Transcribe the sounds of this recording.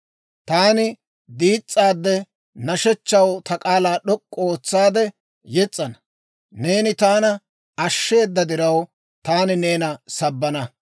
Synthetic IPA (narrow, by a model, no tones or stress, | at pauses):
t̪aːnɪ | d̪iːt͡sʼːaːd̪ːɛ | nɐʃɛt͡ʃːɐwt̪ɐkʼaːlaːɗɔkʼːo̞ːt͡sːaːd̪ɛ | jɛt͡sʼːɐnɐ | ne̞ːnɪt̪aːnɐ | ɐʃːe̞ːd̪ːɐd̪ɪɾɐw | t̪aːnɪne̞ːnɐsɐbːɐnɐ